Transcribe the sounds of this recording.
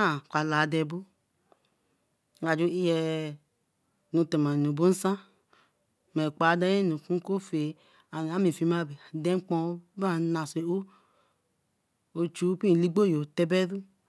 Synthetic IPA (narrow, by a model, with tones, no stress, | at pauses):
a˦˨kʷa˨la˨dɛ˧˨bo˦˨ | a˨d͡ʒo˦i˦jɛ˨ | nu˧te˨ma˨nu˨bu˦n̩˦sã˦ | mɛ˨k͡pa˨˦da˦ɛ˦nu˨ku˦ko˦fe˨ | a˨n˨a˨˦mi˨fi˨ma˦˨be˨dɛ˦ŋ͡mk͡pɔ̃˧˦ba˦˨na˨se˨o˦ | o˨t͡ʃu˦pi˦˨li˦ɡ͡bo˦˨jo˨tɛ˧bɛ˦ðu˦